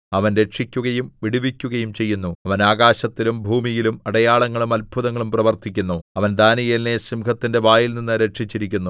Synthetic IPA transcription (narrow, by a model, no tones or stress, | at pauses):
ɐʋɐnɾe̞ʈʂikʲːuɣɐjumʋiɽiʋikʲːuɣɐjumt͡ɕe̞jːunːuɐʋɐnaːɣaːɕɐt̪ːilumbʱuːmijilumɐɽɐjaːɭɐŋːɐɭumɐlbʱuðɐŋːɐɭumprɐʋɐrt̪ʰikʲːunːuɐʋɐnd̪ʱaːnijɐlnesimkʰɐt̪ːinde̞ʋaːjilninːɨɾe̞ʈʂit͡ɕːiɾikʲːunːu